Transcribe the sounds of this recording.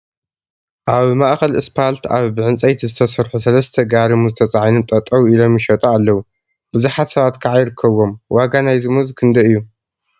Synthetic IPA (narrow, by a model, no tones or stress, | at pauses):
ʔaβmaʔxɐlɨspʰalt̪ʰaβbɨʕɨnt͡sʼɐjt̪ʰizɨt̪ʰɐsɐɾħusɐlɐst̪ʰɐɡaɾɨmuzɨt̪ʰɐt͡sʼaʕnɨmt̪ʼɐt̪ʼɐwilo̞mjɪʃɐt̪ʼoalːɐwu | b̥ɨzuħat̪sɐβat̪kʰaʕajɪɾɨkʰːɐβo̞mwaɡanajzɨmɨzkʰɨnd̪ɐɨjːu